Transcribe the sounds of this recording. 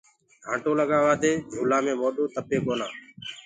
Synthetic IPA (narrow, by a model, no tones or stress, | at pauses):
ɡʱãːʈoːləɠaːʋaːd̪ʱeːd͡ʒʱuːlãːmẽːmoːɗoːt̪əpeːkoːnaː